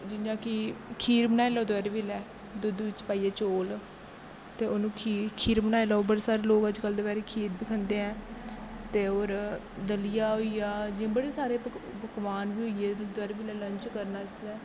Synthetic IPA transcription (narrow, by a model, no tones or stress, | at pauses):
d͡ʒɪjãːkɪkʰiːɾbənaːeːlɛoːd̪ɛɾʋiːlɛː | d̪od̪uːɪt͡ʃpaːiːɛːt͡ʃoːl | t̪eːoːnũːkʰikʰiːɾbənaːelɛobəɽeːsaːɾeːloːɡəd͡ʒkəld̪eːbɛːɾeːkʰiːɾbiːkʰənd̪eːɛ̃ːt̪eːoːɾ | d̪əlɪjaːɦoːijaːd͡ʒɪãːbəɽeːsaːɾeː | bəkʋaːnbiːɦoːiɛːd̪ʊɛɾbiːlɛːləɲt͡ʃkəɾnaːsɛː